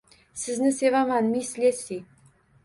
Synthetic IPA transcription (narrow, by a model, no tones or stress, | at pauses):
sɘ̆znɘsevɑmɑnmʲisʲlʲesʲi